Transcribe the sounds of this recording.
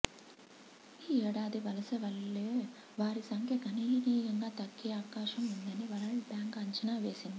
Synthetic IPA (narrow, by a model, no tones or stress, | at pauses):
iːɛːɽaːd̪iʋɐlɐsɐʋɐɭːeː | ʋaːɾisɐŋkʰjɐkɐniːniːɡɐŋɡaːt̪ɐɡːeːɐʋɐkaːʃɐmund̪ɐniʋɐlɐɭbjaːŋkɐɲt͡ʃɐnaːʋe̞ːsind̪i